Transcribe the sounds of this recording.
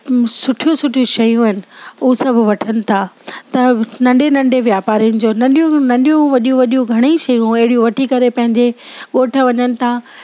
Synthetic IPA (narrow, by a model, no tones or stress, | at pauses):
sʊʈʰijosʊʈʰijũʃɐjũɪnɪ̆ʊsɐbʱʋɐʈʰənɪ̆t̪ʰat̪ɐnɐ̃ɳɖenɐ̃ɳɖeʋjaːpaːɾiənɪ̆d͡ʑoːnɐ̃ɳɗijũnɐ̃ɳɗijũʋɐɗijũʋɐɗijũɡʱɐɽ̃eʃɐjũɐɦɪɽijũʋɐʈʰikɐɾepɐ̃ɦɪ̃ɲd͡ʑe | ɠoːʈʰəʋɐɲənɪ̆t̪ʰa